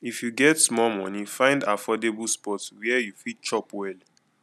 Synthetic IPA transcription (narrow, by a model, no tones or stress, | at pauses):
ifjuɡɛtsmɔmɔ̃nifãɪ̃ndafɔdebulspɔtwɛɛjufit͡ʃɔpwɛl